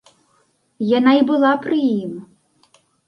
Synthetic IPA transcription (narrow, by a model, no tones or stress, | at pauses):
jɐnɑibʊlˠɑpɾɪjim